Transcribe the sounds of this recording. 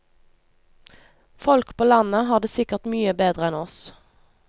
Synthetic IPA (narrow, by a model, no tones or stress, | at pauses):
fɔlkpʰoːlɑnəɦɑːʁd̪eːsɪkəʁt̪myːəbeːd̪ʁəɛnɔs